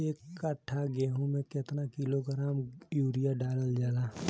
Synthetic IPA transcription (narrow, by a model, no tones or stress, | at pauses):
eːkːaʈʰːaɡeːɦũmẽket̪nakɪloɡɾaːmjuːɾijaɖaːləld͡ʒaːlaː